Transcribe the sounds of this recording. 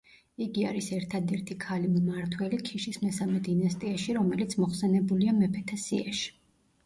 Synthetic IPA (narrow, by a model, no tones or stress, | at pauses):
iɡiaɾisɛɾt̪ʰad̪ɛɾt̪ʰikʰalimmaɾt̪ʰwɛlikʰiʃismɛsamɛd̪inast̪ʼiaʃiɾɔmɛlit̪sʰmɔχsɛnɛbuliamɛpʰɛt̪ʰasḭa̰ʃi̥